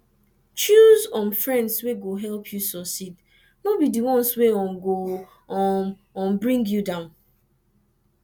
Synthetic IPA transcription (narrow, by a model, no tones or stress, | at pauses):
t͡ʃuzɔ̃nfɹɛ̃ndsweɡoɦɛlpʰjusɔsit | nobidiwɔ̃nsweɔ̃nɡo | ɔ | ɔ̃nbɹĩŋɡjudãʊ̃n